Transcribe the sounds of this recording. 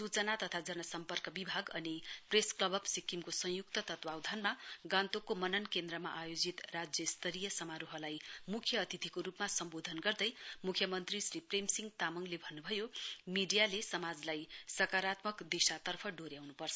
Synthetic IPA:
sut͡sʌnat̪ʌt̪ʰad͡zʌnʌsʌmpʌrkʌbibʱaɡʌnipresklʌbʌbsikimkosʌ̃jukt̪ʌt̪ʌt̪bawd̪ʱanmaɡãnt̪okomʌnʌnkend̪rʌma̰ʔajod͡zit̪rad͡zjʌst̪ʌɾijʌsʌmaɾuɦʌlajmukʰjʌːt̪it̪ʰikoɾupmasʌmbod̪ʱʌnɡʌrd̪ʌjmukʰjʌmʌnt̪risripremsiŋɡ̚t̪amʌŋlebʱʌnːubʱʌjomiɖijalesʌmad͡zlajsʌkaɾat̪mʌkd̪isat̪ʌrpʰʌɖoɾjawnupʌrt͡sʰʌ

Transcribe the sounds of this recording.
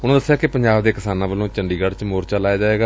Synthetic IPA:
ʊnõd̪əsːejaːkɪpəɲd͡ʒaːbd̪eːkɪsaːnãːbəlːõːt͡ʃəɳɖiːɡəɖt͡ʃmoːɾt͡ʃalaːjaːd͡ʒaːʋeːɡaː

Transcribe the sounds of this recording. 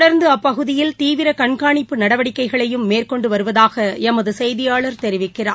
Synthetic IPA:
ɽɐɾnd̪ɯɐpːɐɣɯðɪjɪlt̪iːʋɪɾɐkɐɳɣaːɳɪpːɯnɐɽɐʋɐɽɪkːɐɪɣɐɭɐjɯmːeːrkɔɳɖɯʋɐɾɯʋɐðaːɣɐɛmɐðɯsɛjðɪjaːɭɐɾt̪ɛɾɪʋɪkːɪraː

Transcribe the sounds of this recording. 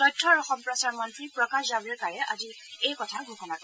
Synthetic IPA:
tɔjtʰːɔɹɔxɔmpɹɔsaɹmɔntɹipɹɔkaszabɛɹkaɹɛʔa̰zi | ejkɔtʰaɡʱukɔnakɔ

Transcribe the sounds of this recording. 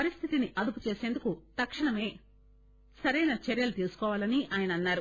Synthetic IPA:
pɐɾist̪ʰit̪iniʔɐd̪uput͡ʃe̞ːse̞ːnd̪ukut̪ɐkʂɐɳɐme̞ː | sɐɾɐjnɐt͡ʃeɾjɐlut̪iːɾsu̥kɔːʋaːlɐniʔaːjɐnɐːnːaːɾu

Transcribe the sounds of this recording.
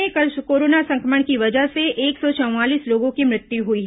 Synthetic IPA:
ẽkoːɾoːnasɐ̃ŋkɾəməɽ̃kiʋɐd͡ʒəɦseeːksɔt͡ʃɐ̃w̃ʋaːliːsloːɡõkimɾɪt̪juɦuiɦ

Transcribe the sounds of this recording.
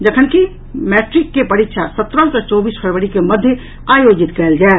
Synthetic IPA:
d͡ʒəkʰənki | mɛʈɾikːepəɾikʃʰasət̪ɾəlsət͡ʃɔbispʰəɾʋəɽikeməd̪ʱːjə | ajod͡ʒit̪kɛld͡ʒae

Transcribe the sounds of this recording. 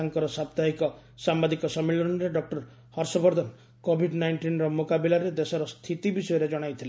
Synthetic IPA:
aŋkɔɾɔsab̚t̪aɦikɔ | sambad̪ikɔsɔmːilɔnɔɾeɖɔk̚ʈɔɾ | hɔɾsɔbɔɾd̪ʱɔn | kobʱiɖnajɳʈinɾɔmokabilaɾed̪esɔɾɔst̪ʰit̪ibisɔjɔɾed͡ʒɔɽ̃ajt̪ʰile

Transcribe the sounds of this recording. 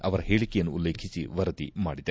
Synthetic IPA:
ɐʋɐɾɐɦeːɭikejɐnːuulːe̞ːkʰisiʋɐɾɐt̪imaːɽid̪e

